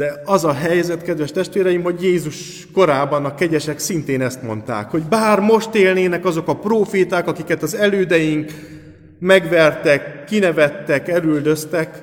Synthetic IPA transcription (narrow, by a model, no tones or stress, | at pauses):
d̪ɛɒzɒɦɛjzɛt̪kɛd̪ʋɛʃt̪ɛʃt̪ʋeːɾɛjimho̞ɟjeːzuʃ | ko̞ɾaːbɒnɒkɛɟɛʃɛksint̪eːnɛst̪mo̞̰nt̪a̰ːkho̞ɟbaːrmo̞ʃt̪eːlneːnɛkɒzo̞kɒproːfeːt̪aːkɒkikɛt̪ɒzɛløːd̪ɛjiŋk | mɛɡʋɛrt̪ɛkːinɛvɛt̪ːɛkɛlyld̪ø̞st̪ɛk